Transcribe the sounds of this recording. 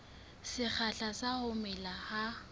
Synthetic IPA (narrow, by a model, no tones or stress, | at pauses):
sɪk͡xʰaɬasahʊmɛlaha